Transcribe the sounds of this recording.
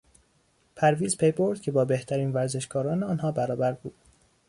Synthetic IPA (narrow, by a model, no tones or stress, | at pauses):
pʰæɾviːzpʰejboɾd̪̥cʰe̞bɒːbeht̪ʰæɾiːnvæɾze̞ʃkɒːɾɒːneɒːnɦɒːbæɾɒːbæɾbuːd̪̥